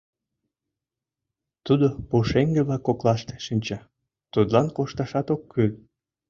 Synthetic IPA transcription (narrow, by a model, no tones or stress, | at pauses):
t̪ud̪opuʃeŋɡĕβlɑkːoklɑʃt̪e̥ʃinʲt͡ɕɑ | t̪ud̪lɑnkoʃt̪ɑʃɑt̪okːyl